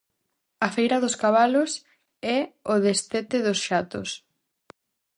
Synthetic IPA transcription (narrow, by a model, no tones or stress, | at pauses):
ɐfejɾɐðʊskaβalos | ɛoðest̪et̪eðosʃat̪ʊ̰s